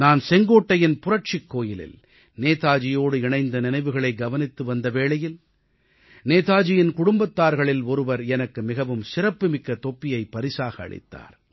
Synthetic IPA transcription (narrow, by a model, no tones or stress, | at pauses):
naːnsɛŋɡoːʈːɐjɪnpʊrɐʈ̚t͡ʃɪkːoːjɪlɪ̰l | neːt̪aːd͡ʒɪjoːɽɯɪɳɐɪnd̪ɐnɪnɐɪʋɯɣɐɭɐɪɡɐʋɐnɪt̪ːɯʋɐnd̪ɐʋeːɭɐjɪl | neːt̪aːd͡ʒɪjɪnkʊɽʊmbɐt̪ːaːɾɣɐɭɪlɔɾɯʋɐɾɛnɐkːɯmɪɣɐʋɯmsɪrɐpːɯmɪkːɐt̪ɔpːɪjɐɪpːɐɾɪsaːɣɐ̰ːɭɪ̰t̪ːa̰ːɾ